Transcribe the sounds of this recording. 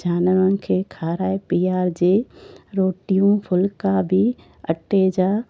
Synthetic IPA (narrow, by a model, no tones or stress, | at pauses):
d͡ʑaːnəʋəñ̆kʰeːkʰaːɾaːepiːaːɾd͡ʑeːɾoːʈijũfʰʊlkabɪ | ɐʈed͡ʑaː